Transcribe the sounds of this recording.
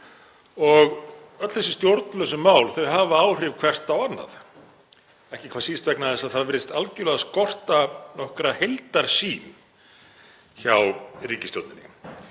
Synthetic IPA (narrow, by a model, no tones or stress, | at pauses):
ɔɣ | œt̪l̥θɛsːɪ̥st̪jowɾt̪nlœsʏmaːwlθœɥɦaːvaawr̥ɪvkʰv̥ɛr̥t̪awanːa̰ð | ɛhcɪkʰvaːsiːst̪vɛknaðɛsːaðθaðvɪɾɪst̪alcʏlɛɣaskɔr̥t̪anɔhkɾahejlt̪aɾ̥siːn | çawriːcɪsjowɾt̪nɪnɪ̰